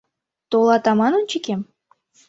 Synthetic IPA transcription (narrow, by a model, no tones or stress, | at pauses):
t̪olˠɑt̪ɑmɑnont͡ɕikem